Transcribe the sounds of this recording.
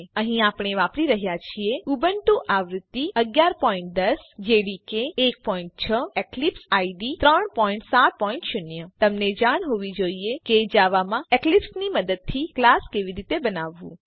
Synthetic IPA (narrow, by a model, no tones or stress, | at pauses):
əɦĩapɽ̃eʋapɾiɾəɦjat͡ʃʰieubənʈũʔaʋɾʊt̪ːiəɡjaɾpɔĩɳʈ̚d̪əsd͡ʒeɽikeek̚pɔĩɳʈ̚t͡ʃʰəeklipsaiɖit̪ɾəɳpɔiɳʈsat̪̚pɔĩɳʈʃʊnjət̪əmned͡ʒaɽ̃ɦoʋid͡ʒoieked͡ʒaʋamãeklipsniməd̪əd̪̚t̪ʰiklaskeʋiɾit̪ebənaʋːṵ̃